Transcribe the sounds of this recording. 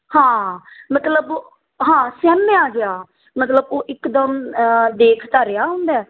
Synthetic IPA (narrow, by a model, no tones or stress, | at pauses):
hãːmət̪ləb | ɦãːsɛːmeaːd͡ʒɪaː | mət̪ləboːʔɪkd̪əmd̪eːkʰt̪əɾejaːɦʊ̃ːnd̪ɛː